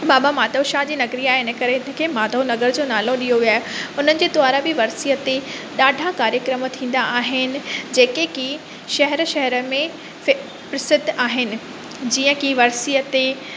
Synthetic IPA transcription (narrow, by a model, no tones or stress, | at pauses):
baːbamaːt̪əʃaːɦd͡ʑiːnɐɡɾiaːɦeɪnəkɐɾeɪnə̆kʰeːmaːt̪ənɐɡəɾd͡ʑõːnaːloɗijoʋiaːɦeʊn̤ənɪ̆d͡ʑeːt̪waːɾãbɪʋɐɾsijət̪eɗaːɖʱakaːɾjəkɾəmt̪ʰĩːn̆d̪aʔaːɦɪnɪ̆d͡ʑeːkeki | ʃɐɦɛɾʃɐɦɛɾə̆mẽ | pɾɪsɪd̪ʱaːɦɪnɪ̆ | d͡ʑiːə̃kiʋɐɾsiːət̪e